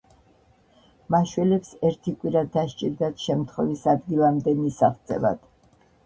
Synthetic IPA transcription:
maʃwɛlɛpsɛɾt̪ʰikʼwiɾad̪aʃt͡ʃʼiɾd̪at̪ʃɛmt̪ʰχwɛvisad̪ɡilˠamd̪ɛmisaχt̪sʼɛ̰va̰d̪̥

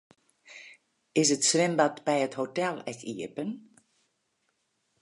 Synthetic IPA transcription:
ɪsətsʋɪmbatbɛjəthotɛlˠɛkḭəpən

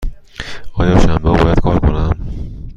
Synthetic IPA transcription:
ɒːjɒːʃæmbɒːbɒːjæd̪̥kʰɒːɾkʰonæm

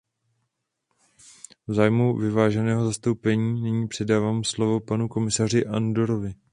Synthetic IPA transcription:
vzaːjmuvɪvaːʒɛnɛːɦo̞zast̪owpɛɲiːnɛɲiːpr̥ɛdaːvaːmslo̞vo̞panuko̞mɪsar̝ɪʔando̞ɾo̞vɪ

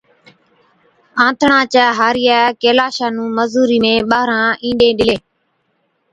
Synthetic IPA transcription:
ãːt̪ʰɳãːt͡ʃaːɦaːɾɪjaːkeːlaːʃaːnũːməzuːɾiːmẽːɓaːɾãːʔĩːɗẽːɗɪleː

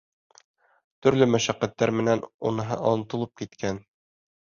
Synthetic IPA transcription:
t̪ɵ̆ɾlɵmæʃæqːæt̪ːæɾmɘ̆nænunɤ̆ɦɤʔɒnɤ̆t̪ɤ̆lˠɤp̚kit̪kæn

